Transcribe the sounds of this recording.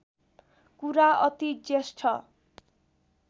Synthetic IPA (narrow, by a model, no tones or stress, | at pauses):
kuɾaʔʌt̪id͡zesʈʰʌ